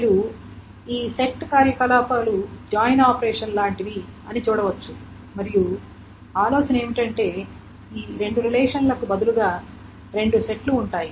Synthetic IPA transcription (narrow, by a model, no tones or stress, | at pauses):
ɐju | iːse̞kʈkaːɾjɐkɐlaːpaːlud͡ʒaːjnaːpɐɾeːʂɐnlaːɳʈiʋiɐnit͡ʃuːɽɐʋɐt͡ʃːu | mɐɾiju | aːlo̞ːsɐnɐeːmiʈɐɳʈe̞ː | iːɾe̞ɳɖuɾilɛːʂɐnlɐkubɐd̪uluɡaː | ɾe̞ɳɖuse̞ʈluːɳʈaːji